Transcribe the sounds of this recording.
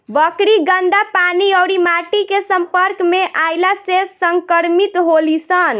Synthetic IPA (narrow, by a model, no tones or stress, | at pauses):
ʋəkɾiɡəɳɖapaniəwɾimaʈikesəmpəɾkmeʔajlasesəŋkəɾmit̪ɦolisən